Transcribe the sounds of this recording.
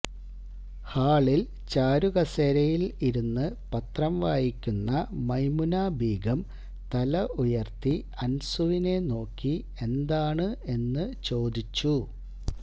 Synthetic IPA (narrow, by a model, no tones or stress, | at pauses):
haːɭil | t͡ɕaːɾuɣɐseːɾɐjiliɾunːɨpɐt̪rɐmʋaːjikʲːunːɐmɐjmunaːbʱiːɡɐm | t̪ɐlɐʔujɐrt̪i | ɐnsuʋine̞no̞ːkːi | e̞nd̪aːɳɨe̞nːɨt͡ɕo̞ːd̪it͡ɕːu